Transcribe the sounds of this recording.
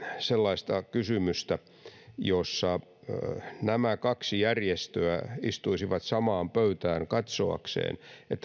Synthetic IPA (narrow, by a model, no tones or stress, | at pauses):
selːɑist̪ɑkysymyst̪æ | josːɑ | næmækɑksijærjest̪øæist̪uisiʋɑt̪sɑmɑːmpøyt̪æːŋkɑt̪soɑ̰ksḛːnet̪ː